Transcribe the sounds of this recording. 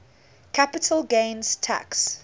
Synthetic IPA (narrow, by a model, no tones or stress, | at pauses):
kʰapɪtʰəlˠɡẽɪnz̥tʰa̰ks